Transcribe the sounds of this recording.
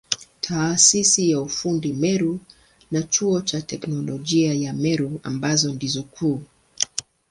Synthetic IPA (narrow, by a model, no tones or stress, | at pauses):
tʰaːsisijaufundimɛɾu | nat͡ʃuɔt͡ʃatɛknɔlɔʄiajamɛɾua̰mbazɔndizɔkʰuː